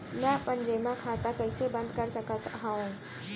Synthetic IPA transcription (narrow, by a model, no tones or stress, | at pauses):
mɛ̃pə̃ɲd͡ʒemãkʰaːt̪akəɪsebɐ̃nd̪kɐɾsɐkət̪ɦaũː